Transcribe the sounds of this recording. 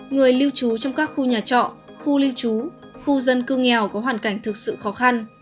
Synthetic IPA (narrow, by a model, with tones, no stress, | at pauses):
ŋɨ˨˩əjli˧wt͡ɕu˨˦t͡ɕɔ˧wŋ͡mkaː˦˥k̚xu˧ɲaː˨˩t͡ɕɔ̰˧˨ | xu˧li˧wt͡ɕu˨˦ | xu˧zə˧nkɨ˧ŋɛ˨˩wkɔ˨˦ɦwaː˨˩nka˧˩jŋ̟t̪ʰɨ˨˩k̚sɨ̰˧˨xɔ˨˦xa˧n